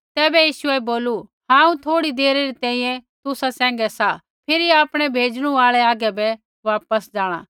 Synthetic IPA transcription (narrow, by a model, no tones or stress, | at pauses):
t̪ɛːbɛjiːʃʊɛboːluhãːũt̪ʰoːɽid̪eːɾeɾit̪ɛ̃ːĩjɛ̃t̪ʊsasɛ̃ːŋ̆ɡɛsa | pʰɪɾiaːpɽ̃ɛbʱeːd͡ʒɽ̃ũaːɭɛaːɡɛbɛ | ʋaːpəsd͡ʒaːɽ̃a̰ː